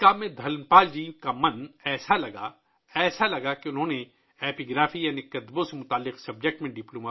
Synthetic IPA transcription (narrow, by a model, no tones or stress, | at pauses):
kaːmed̪ʱɐlnpaːld͡ʒikamɐnɛːsalɐɡa̰ | ɛːsalɐɡakeʊnɦõːne | ɛːpiɡɾaːfijanikɐd̪bõsemʊt̪aːlːɪqsɐb̚d͡ʒek̚ʈmẽɖɪploːma